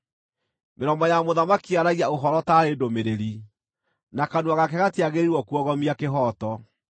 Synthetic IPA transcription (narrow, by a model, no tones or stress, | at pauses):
meɾɔmbɔjamoðamakiaɾaɣiaoɦɔɾɔtaɾedomeɾeɾi | nakanwaɣakɛɣateaɣeɾiɾwɔkuɔɣɔmiakeɦɔtɔ